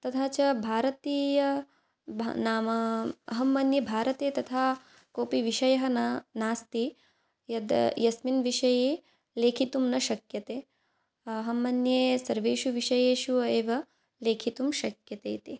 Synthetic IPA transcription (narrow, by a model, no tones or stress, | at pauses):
t̪ɐt̪ʰaːt͡ʃɐbʱaːɾɐt̪iːjɐ | bʱnaːmɐɐɦɐmːɐnjɐbʱaːɾɐt̪eːt̪ɐt̪ʰaː | koːpiʋiʃɐjɐɦɐ̆naːst̪i | jɐd̪jɐsminʋiʃɐjeː | leːkʰit̪umnɐʃɐkjɐt̪eː | ɐɦɐmːɐnjeːsɐɾʋeːʃuʋiʃɐjeːʃueːʋɐ | leːkʰit̪umʃɐkjɐt̪eːt̪i